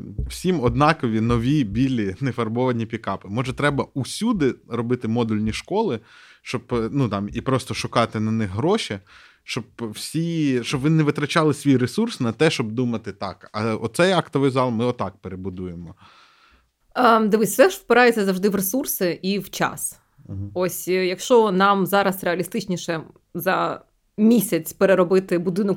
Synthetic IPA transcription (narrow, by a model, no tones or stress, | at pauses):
w̥sʲimɔd̪nɑkɔʋʲinɔʋʲibʲilʲinefɐrbɔʋɐnʲipʲikɑpɪmɔʒɛt̪ɾɛbɐusʲud̪ɪɾɔbɪt̪ɪmɔd̪ulʲnʲiʃkɔlˠɪʃt͡ʃɔbnut̪ɑmipɾɔst̪ɔʃʊkɑt̪ɪnɐnɪxɦɾɔʃi | ʃt͡ʃɔb̚wsʲiʃt͡ʃɔbʋɪnɛʋɪt̪ɾɐt͡ʃɑlˠɪsʲʋʲijresursnɐt̪ɛʃt͡ʃɔb̚d̪umɐt̪ɪt̪ɑkɐɔt̪sɛjɑkt̪ɔʋɪjzɑlˠmɪɔt̪ɑk̚peɾebʊd̪ujemɔ | əd̪ɪʋɨsʲsɛʒʋpɪɾɑjɛt͡sʲːɐzɐwʒd̪ɪʋresursɪʔiwt͡ʃɑ̰s | ɔsʲjɐkʃt͡ʃɔnɑmzɑɾɐsɾeɐlʲist̪ɪt͡ʃnʲiʃɛ | zɐ | mʲisʲɐt͡sʲpeɾeɾɔbɪt̪ɪbʊd̪ɪnɔk